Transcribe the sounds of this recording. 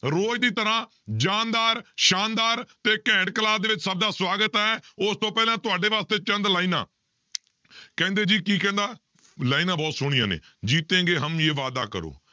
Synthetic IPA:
ɾoːd͡ʒd̪iːt̪əɾãː | d͡ʒaːnd̪aːɾʃaːnd̪aːɾt̪eːkɛ̃ːʈkəlaːsd̪eːʋɪt͡ʃsəb̚d̪aːswaːɡət̪ɛːʊst̪õːpɛːlãːt̪ʊaːɖeːʋaːst̪eːt͡ʃənd̪laːiːna̰ː | kɛ̃ːnd̪eːd͡ʒiːkiːkɛ̃ːnd̪aː | laːiːnãːbɔːt̪sʊɽ̃ijã̰ːnḛː | d͡ʒiːt̪ẽːɡeːɦəmeːʋaːd̪a̰ːkə̰ɾo̰ː

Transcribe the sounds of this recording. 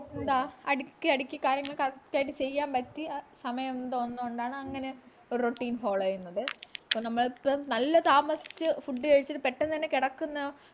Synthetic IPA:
nd̪aːɐɽikʲːɨɐɽikʲːɐkːaːɾjɐŋːɐɭkɐrt̪ːjaːjʈːɨt͡ɕe̞jːaːmbɐt̪ːisɐmɐjɐmnd̪oonːuoɳɖaːɳɨɐŋːɐne̞ | oɾuroʈːiːnfo̞ːɭɐjunːɐðɨɐpːoːnɐmːɐɭpːomnɐlːɐt̪aːmɐsi̥t͡ɕːɨfuɖːɨkɐɻit͡ɕːɐðɨpeʈːent̪ɐnːekiɽɐkːunːɐ

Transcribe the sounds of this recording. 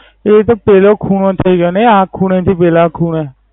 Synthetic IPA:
eːt̪̬ãːpeːloːkʰuːnõːt̪ʰaiːɡaːnẽaːkʰːuːnẽːt̪ʰiːpeːlaːkʰuːnɛː

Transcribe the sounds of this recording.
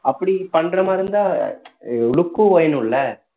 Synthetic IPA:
ɐpːɐɽipɐɳrɐmaːɪɾɯnd̪aː | ʊɭʊkːuoːjɐnʊ̃ɭːɐ

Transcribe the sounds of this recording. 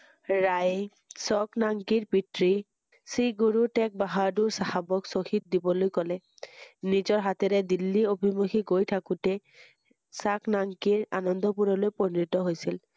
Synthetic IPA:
ɹaj | sɔknaŋkiɹpitɹi | siɡuɹutɛk̚baɦaɹduɹsahabɔksoxit̚dibɔlojkɔlɛ | nizɔɹɦatɛɾɛdilːiobʱimoxiɡojtʰakutɛ | saknaŋkiɹa̰nɔndɔpuɹɔlojpɔnɹitɔɦojsil

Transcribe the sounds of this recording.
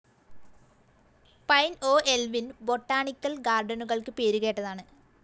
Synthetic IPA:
pɐjno̞ːelʋinbo̞ʈːaːɳikːɐlɡaːrɖɐnuɣɐɭkɨpeːɾuɣeːʈːɐðaːɳɨ

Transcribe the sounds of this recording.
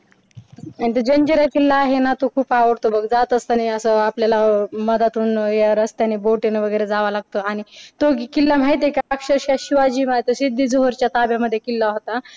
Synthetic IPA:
anit̪əd͡ʑəɲd͡ʑeɾakilːaːɦenat̪okʰuːpaʋəɽt̪obəɡd͡zat̪əst̪añiəsəapljalaməd̪at̪uːnjaɾəst̪janeboʈenʋəɡəjɾed͡zaʋalaɡ̚t̪oaɽ̃it̪okikilːam̤aɦjt̪̬ekaakʂəɾɕjaɕiʋad͡ʑiːmaet̪osid̪ʱːiːd͡zoɦəɾt͡ɕjat̪abjaməd̪ʱːjekilːaɦot̪a

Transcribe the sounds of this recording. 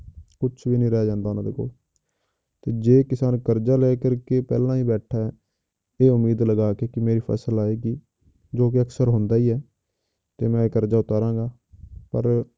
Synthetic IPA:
kʊt͡ʃʰʋiːnĩːɾɛːd͡ʒãːnd̪aːonãːd̪ɪko̰ː | t̪eːd͡ʒeːkɪsaːnkəɾd͡ʒaːlɛːkəɾkepɛ̰ːlãːiːbɛːʈʰaːɛː | eːʊmiːd̪ləɡaːkeːkɪmeːɾiːpʰɛ̰ːsəlaːeːɡiː | d͡ʒoːk̬ɪəksəɾɦʊnd̪aːiːɛː | t̪eːmɛ̃ːkəɾd͡ʒaːʊt̪aːɾãːɡaː | pə̰ɾ

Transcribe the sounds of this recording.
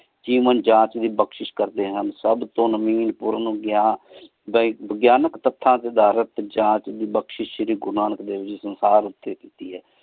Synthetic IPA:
d͡ʒiːʋənd͡ʒãːt͡ʃd̪iːbəkʃɪʃkəɾd̪eːɦənsəbt̪õːnəmiːnpuːɾaːnũːɡjaːn | bbəɡjaːnəkt̪ət̪ʰːãːt̪eːd̪aːɾət̪d͡ʒãːt͡ʃd̪iːbəkʃɪʃɾiːɡʊɾnaːnəkd̪eːʋɪt͡ʃsənsaːɾʊt̪ːeːt̪iːt̪iːɦɛː

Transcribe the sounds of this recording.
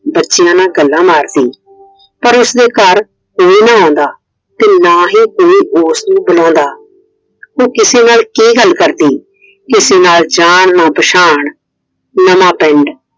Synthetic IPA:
bətːʃɪjãːnaːɡəlːãːmaːɾd̪iː | pəɾʊsd̪eːkəɾ | koːiːnãːɔ̃ːnd̪aː | t̪eːnaːɦiːkoːiːʔʊsnũːbəlɔ̃ːnd̪aː | oːkɪseːnaːlkeːɡəlkəɾd̪iː | kɪseːnaːld͡ʒaːɳnãːpəʃaːɳ | nəmãːpɛ̃ɳɖ

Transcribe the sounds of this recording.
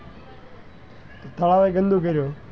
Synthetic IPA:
t̪ot̪ʰəlaːʋeːɡə̃nd̪ʱoːkəiɾjoː

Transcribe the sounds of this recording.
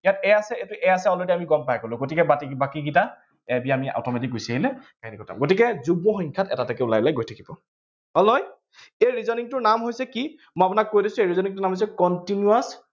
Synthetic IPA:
jatɛasɛetuʔɛjasɛɔlɔdiamiɡɔmpajɛkolʊ̃ɡotikɛbatibakiɡita | ɛbiamia̰wtʰɔmet̬ik̚ɡojsiaɦilɛkainikɔtʰa̰mɡotikɛzuɡ̚mɔxɔŋkʰatɛ̰tatakɛʊlajblajɡojtʰakibɔ̰ | hɔlnɔj | ejɹizɔniŋtʊnamɦojsɛki | mɔjap̬ʊnakːojdisʊ̃ejɹizɔniŋtʊnamɦojsɛkɔntinjuas

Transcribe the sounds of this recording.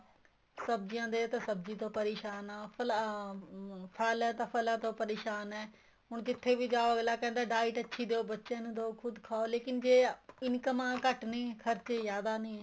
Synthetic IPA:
səb̚d͡ʒɪjãːd̪eːt̪esəbd͡ʒiːt̪õːpəɾeːʃaːnaːpʰəl | pʰəlɛːt̪ãːpʰəlãːt̪õːpəɾeːʃaːnɛː | ɦʊɳkɪt̪ʰːeːʋiːd͡ʒaːoəɡlaːkɛ̃ːnd̪aːɖaːɪʈətːʃʰiːd̪eːoːbətːʃãːnũːd̪aokʰʊd̪kʰaːoːleːkɪnd͡ʒeːɪnkəmãːkəʈnĩːkʰəɾt͡ʃeːjaːd̪aːnĩːɛː

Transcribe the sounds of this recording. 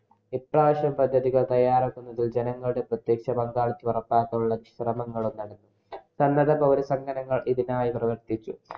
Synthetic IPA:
iʈrɐːʋɐɕjɐmpɐd̪ʱːɐðiɣɐɭt̪ɐjːaːɾaːkːunːɐðild͡ʑenɐŋːɐɭuɽe̞prɐt̪jeːkʂɐbɐŋɡaːɭit͡ɕːuʋɐrɐpːaːkːɐjuɭːɐniɕrɐmɐŋːɐɭomd̪ɐɽɐnːu | sɐnːɐðɐpɐʋɐɾusɐŋɡɐnɐŋːɐɭʔiðinaːjiprɐʋɐɾt̪it͡ɕːu

